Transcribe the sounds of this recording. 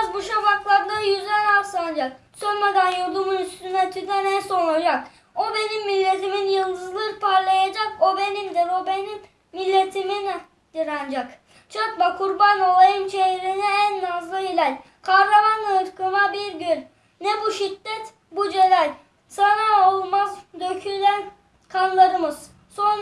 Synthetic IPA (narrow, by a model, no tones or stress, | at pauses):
zbuʃafaklˠaɾd̪ajyzd̪ɛnasand͡ʒak̚sønmad̪ænjoɾd̪ˠumunyst̪ynd̪ɛt̪ʰyt̪ɛnænso̞lˠad͡ʒak | obe̞nimːilʲːe̞t̪ʰiminjɯlˠd̪ɯzlˠɯɾpʰaɾlˠajad͡ʒakobe̞nimd̪ɛɾobenimː | ilʲːe̞t̪ʰimin | d̪iɾand͡ʒak | t͡ʃʰat̪bakʰuɾbano̞lˠajɯnt͡ʃeɦɾinɛænːazlˠɯilʲɛlʲ | kʰaɾɾamanlˠaɯɾkʰɯnabiɾɟylʲ | nɛbuʃid̪ːɛt̪ | bud͡ʒe̞lælʲ | sanaolˠmazd̪øcʰylæn | kʰanlˠaɾɯmɯz̥ | so̞n